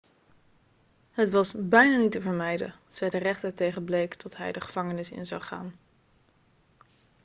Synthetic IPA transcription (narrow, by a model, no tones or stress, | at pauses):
ɦətʋɑsbɛjnaːnitəvəɹmɛjdə̰ | z̥ɛjdərɛχtəɹtejχənblejktɑtɦɛ̰jdəχəv̥ɑŋənɪsɪ̰nzɑ̰wχa̰ːn